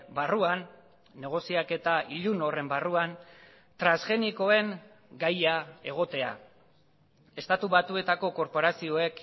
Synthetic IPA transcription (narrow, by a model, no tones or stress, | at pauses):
baruanː | e̞ɣ̞o̞siake̞t̪aiʎuno̞re̞mbaruan | t̪ɾasʝe̞niko̞e̞ŋ | ɡajae̞̰ɣ̞o̞t̪e̞a̰ | e̞st̪at̪uβat̪ue̞t̪ako̞ko̞ɾpo̞ɾasio̞e̞k